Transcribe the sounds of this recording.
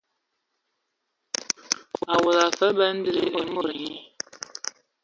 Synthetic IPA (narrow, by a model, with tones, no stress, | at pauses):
a˨wɔ˨la˨fə˦bə˦n̩˦dɨ˦ɾɨ˦ʔɛ˨mɔ˦ɾɲi˦